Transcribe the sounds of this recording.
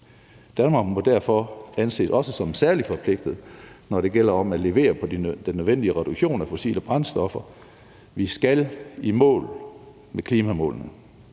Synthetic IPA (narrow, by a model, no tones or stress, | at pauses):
d̥ænmɑ̈ɡmɔ̽d̥æɐfɒænse̝̰ːsɒ̽səsɒ̽msæɐli̥fɒ̽pʰle̝ɡ̥̚d̥ð̩ˠnɒɾe̝ɡ̥el̰ɐɒ̽mæle̝ʋe̝̰ːɐpʰɒ̽d̥id̥enːøðˠʋen̰d̥iəʁɛɾ̥uɡ̥ɕo̝̰ːnæfo̝sḭːləb̥ʁɑ̈nsd̥ɒ̽fɐ | ʋisɡ̥ælimɔ̰̽ːl | mekʰliːmæmɔ̰̽ːlnə